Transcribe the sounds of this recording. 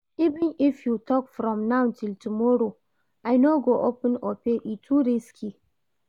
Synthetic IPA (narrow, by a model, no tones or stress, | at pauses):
ivĩnifjutɔkfɾɔ̃mnaʊ̃ntiltumoɾo | ajnoɡoʔopə̃nɔpeʔitʰuɾiskʰi